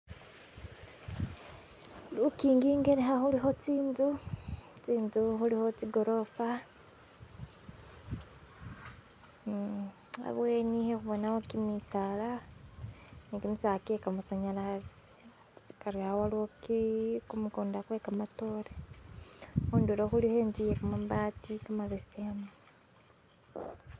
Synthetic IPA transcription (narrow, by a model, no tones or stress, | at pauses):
lukiːŋɡiːŋɡe̞ɾeɦaxuliɦo̞t͡siːnzut͡siːnzuxuliho̞t͡siɡo̞ɾo̞fa | a̰βweːnihexuβonawokimisala | nikimusakekamasaɲalazi̥ | kaɾiaowaliokikumukoːndakwekamato̞ɾe | xuːnduɾoxulihe̞ːɲd͡ʒijekumaβatikamaβestemo